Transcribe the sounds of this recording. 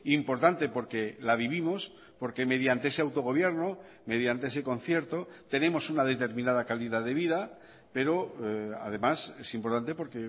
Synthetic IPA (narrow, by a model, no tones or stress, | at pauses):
impo̞ɾt̪ant̪e̞po̞ɾke̞laβ̞iβimo̞s | po̞ɾke̞me̞ð̞jant̪e̞eseawt̪o̞ɣ̞o̞β̞je̞ɾno | me̞ð̞jant̪ee̞se̞ko̞n̟θje̞ɾt̪o̞t̪e̞nẽ̞mo̞sunað̞e̞t̪e̞ɾmĩnað̞akaliðaðe̞β̞ið̞a | pe̞ɾo̞a̰ðe̞mase̞simpo̞ɾt̪ant̪̬e̞po̞ɾke